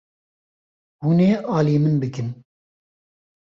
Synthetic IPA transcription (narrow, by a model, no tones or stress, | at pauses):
huːneːʔɑːliːmɨnbɨkɨn